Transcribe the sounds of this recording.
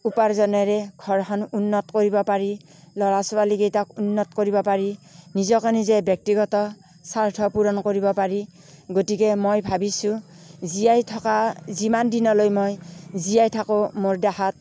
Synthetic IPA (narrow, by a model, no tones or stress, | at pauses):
upaɹzɔnɔjɹɛɡʱɔɹɦɔnunːɔtkoɹibɔpaɹilɔɹasɔwaliɡejtakunːɔtkoɹibɔpaɹinizɔkɔnizɛbjɔk̚tiɡɔtɔ | saɹtʰɔpuɹɔnkoɹibɔpaɹi | ɡotikɛmojbʱabisũ | ziajtʰɔkazimandinɔlojmojzijajtʰakomoɹdahat̚